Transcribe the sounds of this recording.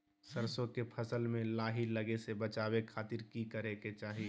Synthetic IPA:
səɾsõkepʰəsəlmẽlaːɦiləɡesebət͡ʃaːwekʰaːt̪iɾkikəɾeket͡ʃaːɦi

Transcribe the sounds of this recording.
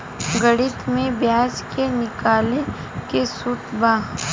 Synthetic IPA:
ɡəɽɪt̪mẽbjaːd͡ʒkenɪkaːle | kesut̪bãː

